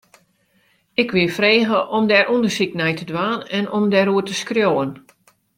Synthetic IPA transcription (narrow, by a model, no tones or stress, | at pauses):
ɪkʋɪfreːɣəʔɔmdɛɾʔundərsiknɛjtədʋaːnɛnɔmdɛɾuətəskrjoːən